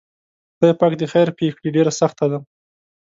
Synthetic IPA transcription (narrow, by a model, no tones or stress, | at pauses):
b̪əjpɑkd̪əxajɾpexɽiɖeɾasaxt̪ad̪a